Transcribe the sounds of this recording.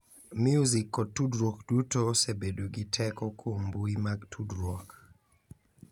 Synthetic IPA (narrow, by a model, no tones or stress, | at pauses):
mjuzikːɔtudɾɔkd̥utosebedoɡitʰɛkɔkʰombuimaɡtʰudɾɔk